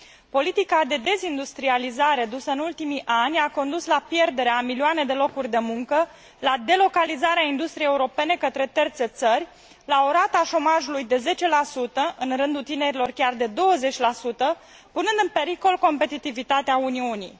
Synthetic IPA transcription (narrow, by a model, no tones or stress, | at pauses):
po̞lit̪ikad̪e̞d̪e̞zind̪ust̪ɾializaɾe̞d̪usəɨnult̪imiʔanʲako̞nd̪uslapje̞rd̪e̞ɾeamilioane̞d̪e̞lo̞kurʲd̪e̞muŋkə | lad̪e̞lo̞kalizaɾeaind̪ust̪ɾiejeuɾo̞pe̞ne̞kət̪ɾe̞t̪ert̪se̞t̪sərʲ | lao̞ɾat̪aʃo̞maʒulujd̪e̞ze̞t͡ʃe̞lasut̪əʔɨnrɨnd̪ult̪ine̞ɾilo̞rkʲard̪e̞d̪o̞wəze̞t͡ʃʲlasut̪ə | punɨnd̪ɨnpe̞ɾiko̞lko̞mpe̞t̪it̪ivit̪at̪eauniunḭj